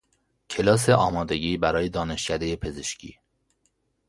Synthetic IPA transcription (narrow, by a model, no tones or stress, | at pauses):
cʰe̞lɒːs̬eʔɒːmɒːd̪e̞ɟiːbæɾɒːje̞d̪ɒːne̞ʃcʰæd̪e̞jepʰe̞zeʃcʰḭː